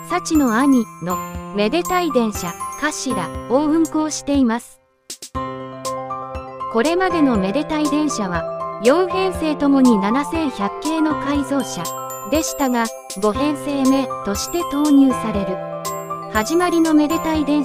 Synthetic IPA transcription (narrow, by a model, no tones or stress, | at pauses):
sat͡ɕino̞aɲ̟ino̞me̞d̪e̞t̪aid̪ẽ̞ɰ̃ɕakaɕiɾa̰oɯ̟̃ŋko̞ːɕi̥t̪e̞imasɨ̥ | ko̞ɾe̞mad̪e̞no̞me̞d̪e̞t̪aid̪ẽ̞ɰ̃ɕaβ̞ajõ̞ɰ̃hẽ̞ɰ̃se̞ːt̪o̞mo̞ɲ̟inanasẽ̞ɰ̃çʲakːe̞ːno̞kaizo̞ːɕa | d̪e̞ɕi̥t̪aɡa | ɡo̞ɦẽ̞ɰ̃se̞ːme̞t̪o̞ɕi̥t̪e̞t̪o̞ːɲ̟ɨːsaɾe̞ɾɯ̟ | haʑimaɾʲino̞me̞d̪e̞t̪aid̪ẽ̞ɰ̃